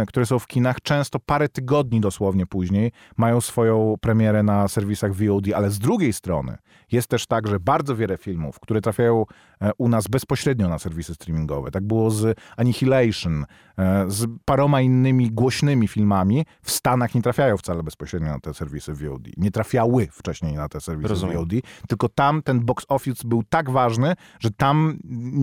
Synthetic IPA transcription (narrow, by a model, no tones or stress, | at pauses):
kt̪uɾɛsɔ̃w̃fkʲinaxt͡ʂɛ̃w̃st̪ɔpaɾɛt̪ɘɡɔd̪ɲid̪ɔswɔvɲɛpuʑɲej | majɔ̃w̃sfɔjɔ̃w̃pɾɛmʲjɛɾɛnasɛɾvʲisaɣvʲiɔwd̪ialɛzd̪ɾuɡʲejst̪ɾɔnɘ̰ | jɛst̪ːɛʂt̪aɡʐɛbaɾd̪zɔvʲjɛlɛfʲilmṵfkt̪uɾɛt̪ɾafʲjajɔ̃w̃ | unazbɛspɔɕɾɛd̪ɲɔnasɛɾvʲisɘst̪ɾʲimʲiŋɡɔ̰vɛ̰t̪aɡ̚bɘwɔzaɲixʲilɛjʂn | zpaɾɔmainːɘmʲiɡwɔɕnɘmʲifʲilmamʲi | fst̪anaxɲɛt̪ɾafʲjajɔ̃w̃ft̪salɛbɛspɔɕɾɛd̪̚ɲɔna̰t̪ɛsɛɾvʲisɘvʲiɔ̰wd̪ʲḭɲɛt̪ɾafʲjawɘft͡ʂɛɕɲejnat̪ɛsɛɾvʲisviɔwd̪it̪ɘlkɔt̪amt̪ɛnbɔksɔfʲizbɘwt̪aɡvaʐnɘ | ʐ̥ɛt̪am